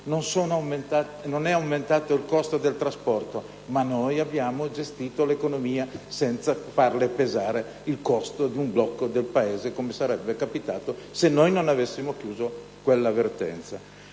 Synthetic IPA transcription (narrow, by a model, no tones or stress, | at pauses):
nonsoːnoawment̪a | nonɛawment̪aːt̪oilkɔst̪od̪elt̪ɾaspɔrt̪o | manːojabjaːmod͡ʒest̪iːt̪olekonomiːasɛnt̪safarlepezaːɾe | ilkɔst̪od̪iumblɔkːod̪elpaeːzekomesaɾɛbːekapit̪aːt̪osenːojnonavesːimok̟juːzo | kwelːavert̪ɛ̰nt̪sa